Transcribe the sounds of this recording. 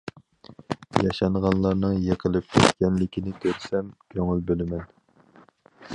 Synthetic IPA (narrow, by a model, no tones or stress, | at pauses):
jɑʃɑɴʁɑnlˠɑɾnɨŋjeqʰəlˠɪp̚kʲʰɛt̪kʲɛnlɪkʲʰinɪt̪ʰøɾsɛmkʲʰøŋylbølɪmɛn